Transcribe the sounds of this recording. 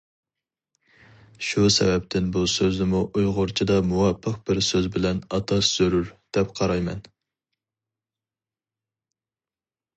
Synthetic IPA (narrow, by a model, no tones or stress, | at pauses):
ʃusɛ̰vɛp̚t̪ʰɪnbusøznɪmuʔujʁʊɾt͡ʃʰid̪ɑmuwɑpʰːəqb̥ɪɾsøzbɪlɛnɑt̪ʰɑsz̥øɾyɾd̪̥ɛp̚qʰɑɾɑjmɛ̰n